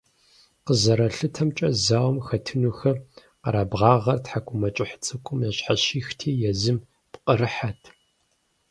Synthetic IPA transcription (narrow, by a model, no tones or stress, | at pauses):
qəzɐɾɐɬɨtʰɐmt͡ʃʼɐzaːwmxɐtʰɨnuːxɐ | qɐ̰ɾaːbʁɑːʁɐrtħakʷʼʊmɐt͡ʃʼɪħt͡sʼɨkʷʼʊmjɐɕħaɕiːxtʰiːjɛzɨm | pqʼəɾɨħatʰ